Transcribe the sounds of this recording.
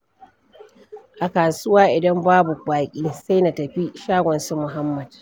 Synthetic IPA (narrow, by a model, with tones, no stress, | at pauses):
ʔa˨kaː˨sʊ˦waː˦ʔɪ˨dɐ˦mbaː˦bu˨k͡paː˨kʲʼiː˦sa˦jna˨tɐ˨ɸi˦ʃaː˦ɡʷɔ˨nsu˦mʊ˨ɦa˦mːɐ˨d̥